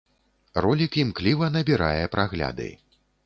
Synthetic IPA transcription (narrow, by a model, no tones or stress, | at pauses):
rɔlʲikimklʲivɐnɐbʲiɾajɛpɾaɣlʲa̰d̪ɨ̰j